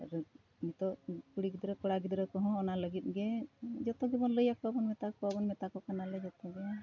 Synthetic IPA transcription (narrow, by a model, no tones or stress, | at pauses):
ɾ | mit̪ɔʔkuɽiɡid̪ɾəkɔɽaɡid̪ɾəkɔɦɔ̃ːnaləɡit̪̚ɡɛd͡ʒɔt̪ɔɡɛbɔnləjakɔabɔnmɛt̪akɔabɔnmɛt̪akɔkanalɛd͡ʒɔt̪ɔɡɛ